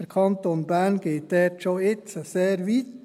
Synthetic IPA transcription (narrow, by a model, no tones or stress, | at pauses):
əɾkʰɑnt̪onbæɾnɡ̥eːt̚dɛtʃoɪt͡səseːɾʋit